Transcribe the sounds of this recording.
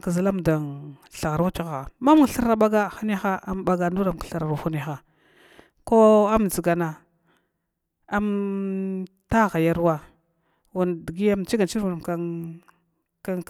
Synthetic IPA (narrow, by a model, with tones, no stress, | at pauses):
kə˨za˨la˦m˨da˨nɬa˨ɣa˨ɾwa˦t͡ʃi˦ɣa˨ma˦m˦˨ɬə˦ɾa˨ɓa˦ɡa˦xa˦n˦a˦xa˦a˦m˦ba˦ɡa˨ndu˦ɾa˨m˨kɬa˨ɾa˨ɾu˨xu˦n˦˨a˨˦xa˨ | ko˦a˦md͡zi˨ɡa˨na˨ | a˦m | ta˦ɣa˨ja˦ɾwa˦ | wu˨n˨di˨ɡi˦ja˦m˨t͡ʃi˦ɡa˨nt͡ʃi˦ɾwu˨na˨m˨k | ka˦